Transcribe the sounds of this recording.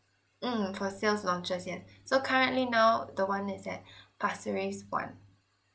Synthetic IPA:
m̩fɔsilslɔ̃ŋt͡ʃəsjɛsːokʰaɹə̃nʔlinaʊdəwãnɪsɛt̚pʰasəɹiswã̰n

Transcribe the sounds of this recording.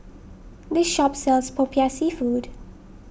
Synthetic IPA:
d̪ɪsʃɔpsɛlspʰopʰiasifuːd

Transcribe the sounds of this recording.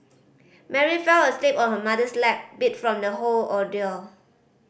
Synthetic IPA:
mɛɹifɛləslipɔ̃nhəmadəslɛk̚bitfɹɔ̃mdəɦolɔdil

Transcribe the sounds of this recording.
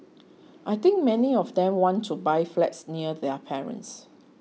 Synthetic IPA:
ʔajt̪ɪ̃ŋk̚mɛniɔfd̪ɛ̃mwɔ̃ntʰːubajflɛ̰tsniədɛpʰɛɹə̰̃ns

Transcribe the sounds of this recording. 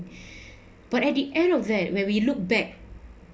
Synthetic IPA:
b̥atɛt̚diʔɛ̃ndɔfdɛt̚wɛ̃nwiluk̚bɛk̚

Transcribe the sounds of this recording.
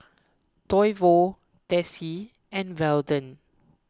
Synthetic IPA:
tɔjvo | tɛsi | ɛ̃nvɛldə̃n

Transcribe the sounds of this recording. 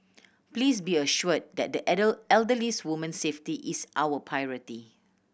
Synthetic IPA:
pliːs̬biəʃuəd̚dɛt̚dəʔɛdəɛldəliswumə̃nseftiʔisʔawəpʰajɹəti

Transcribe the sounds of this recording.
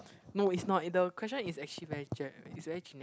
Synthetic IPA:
noisnɔtdəkʰwɛst͡ʃə̃nisɛk̚t͡ʃəlivɛɹid͡ʒɛisvɛɹid͡ʒinɛ

